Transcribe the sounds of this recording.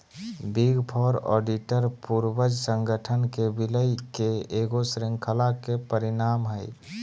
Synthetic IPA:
biɡpʰɔɾɔ̰ɖiʈəɾpuɾbəd͡ʒsə̃ŋɡʱəʈʰənkebiləjkeːɡosɾiŋkʰəlakepəɾinamɦəɪ

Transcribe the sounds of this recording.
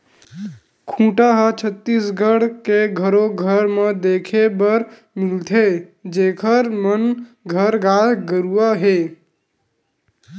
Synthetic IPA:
kʰũːʈaɦət͡ʃʰət̪ːisɡʱəɽkeɡʱəɾoɡʱəɾməd̪eːkʰebəɾ | mɪlt̪ʰed͡ʒeːkʰəɾmən | ɡʱəɾɡaːɡəɾuaɦe

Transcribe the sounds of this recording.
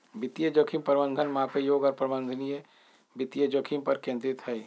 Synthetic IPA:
bɪt̪ijəd͡ʒokʰimpɾəbə̃nd̪ʱənmãpejoːɡɔːɾpɾəbə̃nd̪ʱənije | bɪt̪ːijəd͡ʒokʰimpəɾkẽːnd̪ɾit̪ɦɛi

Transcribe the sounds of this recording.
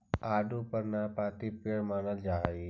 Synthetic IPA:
aːɖupəɾnapaːt̪ipeɽmaːnəld͡ʒaːi

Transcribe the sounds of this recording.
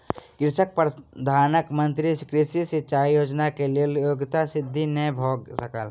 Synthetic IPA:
ɡɾɪsək̚pɾd̪ʱaːnəkmɐ̃nt̪ɾiskɾisiset͡ʃaːjoːd͡ʒnakelieljoːɡt̪asɪd̪ʱːinebʱoːɡsəkəl

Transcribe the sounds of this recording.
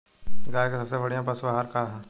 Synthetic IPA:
ɡaːjkesɐpsebɐɽ̤ijãpɐsbaɦaɾkaɦɛ̃

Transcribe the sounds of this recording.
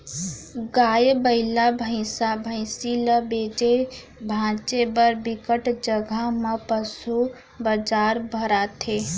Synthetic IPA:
ɡaːjebəɪlabʱə̃ɪ̃sabʱə̃ɪsiləbeːd͡ʒe | bʱãːt͡ʃebəɾbɪkəʈd͡ʒəɡʱamãpəsu | bəd͡ʒaːɾbʱəɾat̪ʰeː

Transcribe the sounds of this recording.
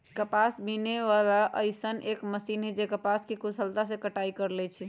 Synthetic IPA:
kəpasbineʋalaʔəjsənekməsinɦɛd͡ʒekəpaskekusʰəlt̪asẽkəʈaikəɾlɛt͡ʃʰi

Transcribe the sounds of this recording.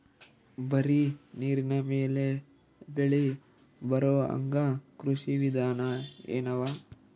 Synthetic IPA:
bɐɾiniːɾinɐmeːle | beɭi | bɐɾoɐ̰ŋɡɐkɾuʃiʋid̪ʱaːnɐḛːnɐʋaː

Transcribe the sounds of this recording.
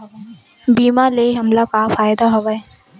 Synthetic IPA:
biːmaleɦɐmlakafaːjd̪aɦɐʋae

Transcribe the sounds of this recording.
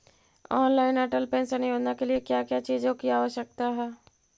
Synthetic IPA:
ɔːnlaːɪnɛʈəlpẽːnsənɪjoːd͡ʒnakeliekjaːkjat͡ʃiːd͡ʒõkiaːʋəʃjək̚t̪aɦɛː

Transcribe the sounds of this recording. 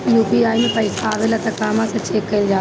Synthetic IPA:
juːpiaːimẽpɐɪsaːʋelat̪ɐkaːmãsɐt͡ʃeːkːɐɪld͡ʒaː

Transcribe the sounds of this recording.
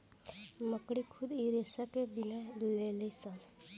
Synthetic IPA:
məkɽikʰud̪iɾesakebinaleləjsə̃

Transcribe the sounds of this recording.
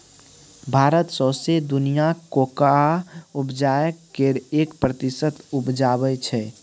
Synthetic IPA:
bʱaɾət̪səsed̪unijakokaupd͡ʒajəkːeɾekpɾət̪isət̪upd͡ʒaβɛt͡ʃʰɛ

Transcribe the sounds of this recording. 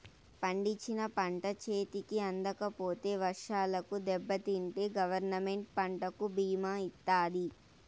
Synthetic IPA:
pɐɳɖit͡ʃːinɐpɐɳʈɐt͡ʃe̞ːt̪ikiɐnd̪ɐkɐpo̞ːt̪e̞ːʋɐɾʂaːlɐkud̪ɛbːɐt̪iɳʈeːɡɐʋɐɾnɐme̞ɳʈ̚pɐɳʈɐkubiːmaːit̪ːaːdi

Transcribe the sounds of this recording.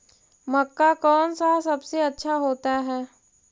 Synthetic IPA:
mɐkːakɔːnsasɐbseɐtːʃʰaɦoːt̪aɦɛː

